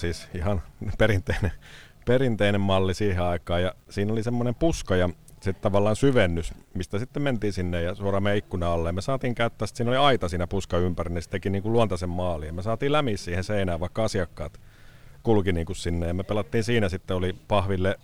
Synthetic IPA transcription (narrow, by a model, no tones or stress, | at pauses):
siːsihɑnpeɾint̪eine | perint̪einemmɑlːisiːheɑikɑːjɑsiːnolisemːonempuskɑjɑsit̪t̪ɑʋɑlːɑːnsyʋenːysmist̪æsit̪ːement̪iːnsinːejjɑsuorɑmeikːunɑɑlːejɑmesɑːt̪iːŋkæyt̪ːæːst̪siːnoliɑit̪ɑsiːnæpuskɑympærinist̪ekiniːŋkuluɑnt̪ɑsemmɑːlijɑmesɑːt̪iːlæmiːssiːhẽseinæːʋʋɑikːɑɑsiɑkːɑ̰ːt̪ | kulkiniːŋkussinːejɑmepelɑt̪ːiːnsiːnæsit̪ːeolipɑhʋilːe